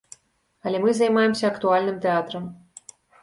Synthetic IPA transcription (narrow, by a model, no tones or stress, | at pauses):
ɐlʲɛmɨzɐjmajɛmsʲɐɐkt̪ualʲnɨmt̪ɛat̪ɾɐm